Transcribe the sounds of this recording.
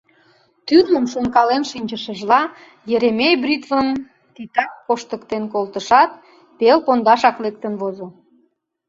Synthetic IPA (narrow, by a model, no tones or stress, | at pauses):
t̪yrməmʃonkɑlenʃinʲt͡ɕəʃəʒlɑ | jeɾemʲejbrʲit̪vəm | t̪it̪ɑk̚poʃt̪əkt̪enkolt̪əʃɑt̪̚ | pelpond̪ɑʃɑklek̚t̪ənβozo